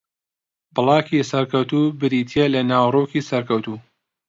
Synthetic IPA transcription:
bɨlˠɑːkisɐɾkɐwt̪uːbɨɾiːt̪ʰielɐnaːwroːkiːsɐɾkɐwt̪uː

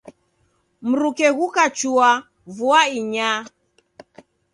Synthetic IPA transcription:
m̩ɾukɛɣukat͡ʃua | vuaiɲa

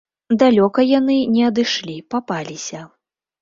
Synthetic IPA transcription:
d̪alʲɔkɐjanɨnʲɛɐd̪ɨʂlʲipapalʲisʲɐ

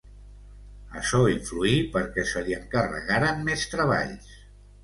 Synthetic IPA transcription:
əʃɔiɱfluipəɾkɛsəliəŋkərə̰ɣaɾəmmest̪ɾəβ̞a̰ʎs

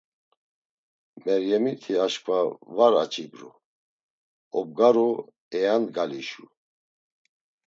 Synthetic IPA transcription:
mɛɾjɛmit̪ʰiaʃkʰʼvavaɾa̰t͡ʃʰʼibɾṵ | ɔb̚ɡaɾu | ɛjanɡaliʃu

